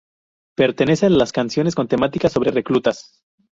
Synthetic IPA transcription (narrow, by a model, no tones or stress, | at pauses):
pe̞ɾt̪e̞ne̞sealaskansjo̞nesko̞nt̪e̞mat̪ikaso̞βɾe̞re̞klut̪as